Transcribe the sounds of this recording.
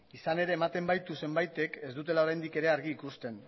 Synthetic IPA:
isane̞ɾe̞ːmat̪e̞mbajt̪use̞mbajt̪e̞ke̞zd̪ut̪̬e̞lao̞ɾajnd̪ike̞ɾe̞aɾɣiːkust̪e̞n

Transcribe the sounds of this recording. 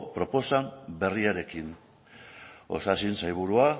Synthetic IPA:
pɾo̞po̞sambe̞riaɾe̞kin | o̞̰sasinsajβ̞uɾua

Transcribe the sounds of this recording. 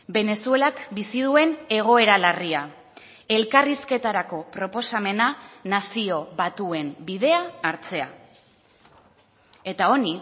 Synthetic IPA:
be̞ne̞sue̞lakbisiðue̞ne̞ɣ̞o̞e̞ɾalaria | e̞lkariske̞t̪aɾako̞pɾo̞po̞same̞nanasio̞βat̪ue̞nbið̞e̞aːɾt͡se̞a̰ | e̞t̪ao̞ni

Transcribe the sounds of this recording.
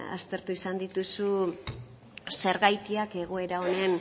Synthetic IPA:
a̰st̪e̞ɾt̪uisand̪it̪usu | se̞ɾɣajt̪iake̞ɣ̞o̞e̞ɾao̞ne̞n

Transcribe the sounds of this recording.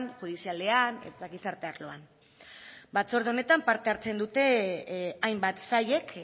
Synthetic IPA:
nʝuðisiale̞anḛt̪aɣisaɾt̪e̞aɾlo̞an | bat͡so̞ɾð̞eo̞ne̞t̪ampaɾt̪e̞aɾt͡se̞nd̪ut̪e̞ | ajmbat̪saje̞k

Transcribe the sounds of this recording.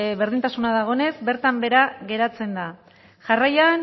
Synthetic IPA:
βeɾðint̪asunað̞aɣ̞o̞ne̞zbe̞ɾt̪ambe̞ɾaɣe̞ɾat͡se̞nd̪a | ʝarajan

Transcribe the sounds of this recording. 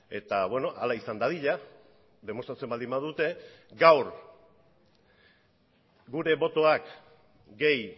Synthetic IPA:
e̞̰t̪aβwe̞no̞ʔa̰laisand̪að̞iʎa | ðe̞mo̞st̪ɾat͡se̞mbald̪imbaðut̪e̞ɡawɾ | ɡuɾe̞βo̞t̪o̞ak | ɡe̞j

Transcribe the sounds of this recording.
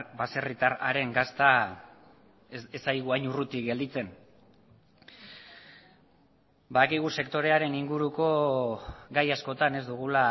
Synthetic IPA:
base̞rit̪ara̰ɾe̞ŋɡast̪a | esajɣuajɲurut̪ikɡe̞ld̪it͡se̞n | baðakiɣ̞use̞kt̪o̞ɾe̞aɾe̞niŋɡuɾuko̞ | ɡajasko̞t̪ane̞zd̪uɣula

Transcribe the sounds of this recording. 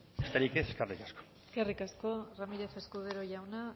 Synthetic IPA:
est̪eɾikeseskerikasko̥ | eskerikasko̞ramiɾe̞fe̞skuðeɾoʝawna

